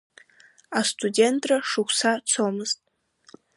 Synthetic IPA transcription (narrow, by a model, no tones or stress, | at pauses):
astʰudʲentʰraʂɨxʷsat͡sʰomɨztʼ